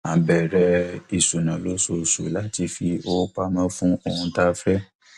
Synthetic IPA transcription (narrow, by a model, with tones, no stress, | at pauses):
a˨bɛ˨ɾɛ˧˦i˨su˨nã˨lo˨˦so˧˨sṵ˨˦la˦ti˧fi˧o˦k͡pa˧˦mã˦fũ˦o˧hũ˧ta˦fɾɛ˦